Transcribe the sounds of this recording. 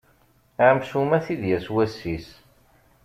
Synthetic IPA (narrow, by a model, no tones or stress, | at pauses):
ʕamsumæθiðjæswæsːis